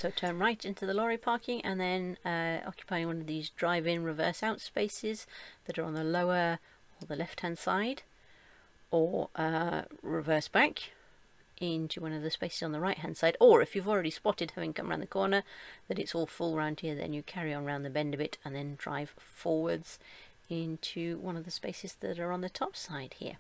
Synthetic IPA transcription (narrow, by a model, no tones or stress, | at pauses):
soʊtʰɜ̃˞nɹaɪɾɪ̃ntʉðəlɔɹipʰɑɹkɪ̃ŋʔɨ̰̃nðɨ̃nʌɑ̰kjɨ̥pʰaɪɪ̃ŋwʌ̃nʌvðizdɹaɪvɪ̃ŋɹɨvɜ˞saʊtspeɪsɪz̥ðɨɾə˞ə̃nðəloʊə˞ | əðəlɛft̚hæ̃nd̥sa̰ɪd | ʔə˞ʌɹɪvɜ˞sb̥æk | ʔɪ̃ntʰʉwʌ̃nʌvðɨspeɪsɨzn̩ðəɹaɪʔ̚hæ̃nd̥saɪɾə˞ɨfjʉvl̩ˠɹɛɾispɑɾɨd̚hævɪ̃ŋkʰʌ̃mɹãʊ̃nðəkʰɔɹnə˞ðɨɾɨtsɔlˠfʊlˠɹãʊ̃nd̚hiɹðɨ̰̃njɨkʰɛɹiə̃nɹãʊ̃nðɨbɛ̃ndʌvɨɾə̃nðɨ̃ndɹa̰ɪv̥fɔɹwə˞dz̥ | ɪ̃ntʰʉwʌ̃nʌvðɨspeɪsɨzðɨ̰ɾə˞ə̃nðɨtʰɑpsaɪd̥̚hḭɹ